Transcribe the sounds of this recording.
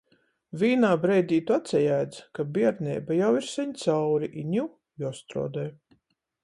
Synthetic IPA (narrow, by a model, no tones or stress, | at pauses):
vʲiːnaːbɾɛjd̪ʲiːt̪uat̪sʲɛjæːd̪zkabiɛɾnʲɛ̰ːbajawiɾsɛɲt̪sawɾiʔiɲʲu | juɔɔst̪ɾɔ̰ːd̪ɛj